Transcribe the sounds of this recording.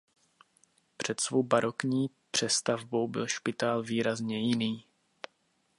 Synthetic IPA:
pr̥ɛt̪svo̞wbaɾʔo̞kɲiː | pr̝̥ɛst̪avbo̞wbɪ̰lʃpɪt̪aːlviːɾazɲɛjɪniː

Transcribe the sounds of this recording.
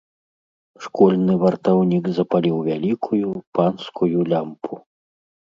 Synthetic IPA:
ʂkɔlʲnɨvɐrt̪awnʲiɡzɐpalʲiwvʲalʲikʰujupanskujulʲampʰu

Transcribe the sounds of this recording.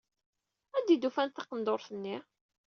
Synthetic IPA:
æd̪id̪ufænt̪θɑqənd̪oɾˤθənːi

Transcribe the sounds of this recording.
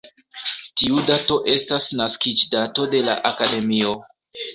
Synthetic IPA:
tiudato̞ʔe̞stasnaskid͡ʒdato̞de̞la̰ʔakade̞mio̞

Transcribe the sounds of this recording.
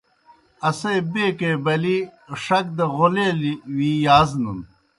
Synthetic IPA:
ɐsebeːkeːbɐliʂɐk̚d̪ɐʁoleːliwiːjaːznun

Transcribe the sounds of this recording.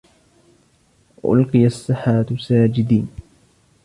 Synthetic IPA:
ʔʊ̰lqɨjasˤːɨħaːt̪saːd͡ʒɪd̪iːn

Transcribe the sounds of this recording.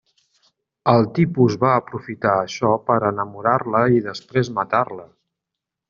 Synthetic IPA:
əlˠt̪ipuzβaəpɾufit̪aəʃɔpəɾənəmuɾarləiðəspɾezmət̪arlə

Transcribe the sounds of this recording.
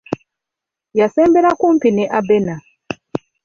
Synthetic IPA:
jaseːmbeɾakumpineʔabena

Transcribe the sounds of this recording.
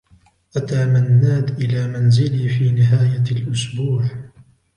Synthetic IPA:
ʔat̪aːmanːaːd̪ʔɪlaːmanzɪliːfiːnɪɦaːjalʔʊsbuːʕ

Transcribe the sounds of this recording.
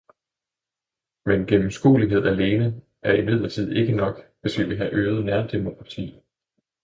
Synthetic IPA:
menɡ̥emm̩sɡ̥ṵːliɦe̝ð̞̰ˠæle̝ːnə | ʔæɐimið̞̰ˠlˠɐt͡sʰið̞̰ˠe̝ɡ̥ənɒ̽ɡ̥ʋe̝sʋiʋiɦæʔøːð̩ˠnæɐd̥e̝mo̝kʰʁɑ̈t͡sʰḭː

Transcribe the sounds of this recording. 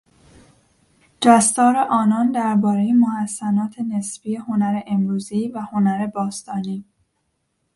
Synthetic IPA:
d͡ʒæst̪ɒːɾeʔɒːnɒːnd̪æɾbɒːɾejemohæsːænɒːt̪ʰe̞nesbije̞ho̞næɾeʔemɾuːziːvæho̞næɾe̞bɒːst̪ɒːniː

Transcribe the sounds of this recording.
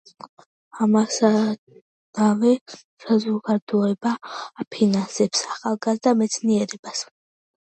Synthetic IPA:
amasa | navɛ | sazɔɡad̪ɔɛbaːpʰinansɛpsaχalˠɡazd̪amɛt̪sʰniɛɾɛb̥as

